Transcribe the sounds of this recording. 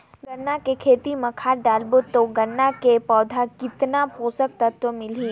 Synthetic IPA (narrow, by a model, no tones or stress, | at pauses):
ɡɐnːakekʰeːt̪imɐ̃kʰaːɾɖaːlbʊt̪ːoɡɐnːakepɔːd̪ʱakɪt̪napoːsək̚t̪ɐt̪wəmɪliː